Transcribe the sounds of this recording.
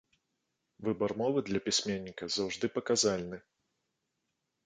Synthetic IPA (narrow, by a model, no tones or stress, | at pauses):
vɨbɐrmɔvɨd̪lʲɐpʲisʲmʲenʲːikɐzawʐd̪ɨpɐkazalʲnɨ